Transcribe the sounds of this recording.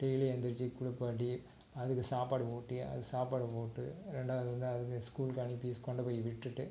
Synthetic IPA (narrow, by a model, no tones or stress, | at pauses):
ʈejlɛnd̪ɪɾt͡ʃːikʊɽʊpːaːʈ̬ːi | ɐðɯkːɯsaːpaːɽɯpoːʈːiɐ̰ðɯsaːpaːɽɯpoːʈːɯɾɛɳɖaːʋɐðɯɾɐnd̪ɯɐðɯk̬ːɯskuːlkɐɳipiːskɔɳɖɐpoːjiʋɪʈːɯʈːɯ